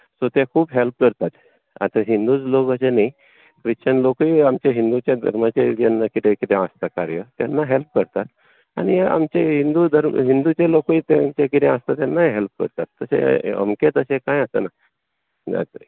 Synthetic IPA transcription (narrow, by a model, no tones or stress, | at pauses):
sot̪jakʰuːbɦelp̚kəɾt̪at̪ | a̰t̪aɦind̪ud͡zlokəseni | kɾit͡ɕənlokiamt͡ɕeɦind̪ut͡ɕjad̪ʱə̰ɾmat͡ɕed͡ʑanːakit̪ẽkit̪ʰẽast̪akaɾjət̪janːaɦelp̚kəɾt̪at̪ | a̰nia̰mt͡ɕeɦind̪ud̪ʱəɾmɦind̪ut͡ɕelokiːt̪at͡ɕekit̪ẽast̪at̪janːaeɦelp̚kə̰ɾt̪at̪ːəsḛə̰mket̪əsekãjəsə̰na | na̰t̪ɾḭ